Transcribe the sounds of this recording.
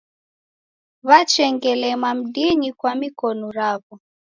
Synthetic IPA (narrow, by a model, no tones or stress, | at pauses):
βat͡ʃɛŋɡɛlɛmam̩diɲikwamikɔnɔɾaβɔ